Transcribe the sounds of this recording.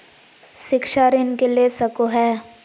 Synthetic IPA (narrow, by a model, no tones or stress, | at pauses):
ʃɪkʃaɾɪnkelesɐkoɦɛː